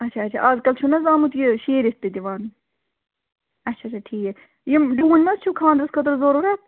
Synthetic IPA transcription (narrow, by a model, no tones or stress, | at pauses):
ɐt͡ʃʰɐɐt͡ʃʰa̰ʔɐːzkɐlt͡ʃʰunɐzaːmut̪jiʃeːɾist̪ːɨd̪iʋaːn | ɐt͡ʃʰːɐt͡ʃʰɐʈʰiːke | jimɖuːnʲmɐzt͡ʃʰukʰãːnd̪ɾɐskʰɐt̪ɨɾzoːɾoɾɐ